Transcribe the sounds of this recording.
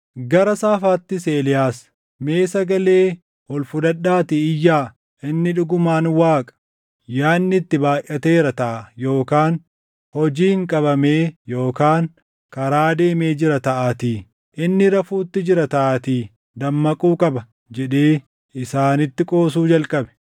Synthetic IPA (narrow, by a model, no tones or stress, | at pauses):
ɡɐɾɐsaːfaːt̪ːɪseːlɪjaːs | me̞ːsɐɡɐle̞ː | hɔlfʊd̪ɐᶑːaːt̪ɪɪjːaː | ʔɪnːɪᶑʊɡʊmaːnwaːkʼɐ̥ | jaːnːɪt̪ːɪbaːjʔɐt̪e̞ːɾɐt̪ɐʔɐjo̞ːkaːn | hɔd͡ʒiːŋkʼɐbɐme̞ːjo̞ːkaːŋ | kɐɾaːd̪e̞ːmeːd͡ʒɪɾɐt̪ɐʔaːt̪iː | ʔɪnːɪɾɐfuːt̪ːɪd͡ʒɪɾɐt̪ɐʔaːt̪iː | d̪ɐmːɐkʼuːkʼɐbɐ | d͡ʒɛᶑeː | ɪsaːnɪt̪ːɪkʼo̞ːsuːd͡ʒɐlkʼɐbɛ̥